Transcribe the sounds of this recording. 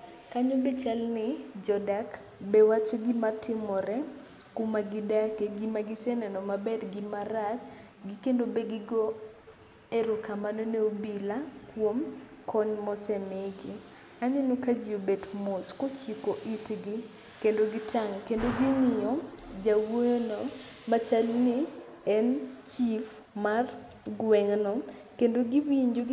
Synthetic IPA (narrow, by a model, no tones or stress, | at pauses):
kaɲobet͡ʃalnɪd͡ʒɔdak | bewat͡ʃoɡɪmatʰɪmɔɾɛ | kumaɡɪdakeɡɪmaɡɪsɛnɛnɔmabɛdɡɪmaɾat͡ʃ | ɡɪkendobeɡɪɡɔ | eɾokamanoneobilakwom | kʰɔɲmɔsɛmeɡi | anenokad͡ʒɪobedmoskot͡ʃikoʔitɡi | kendoɡitaŋkendoɡinɪjɔd͡ʒawojonɔ | mat͡ʃalnɪ | ɛnt͡ʃif | mar | ɡwɛŋnɔkendoɡiwiɲd͡ʒo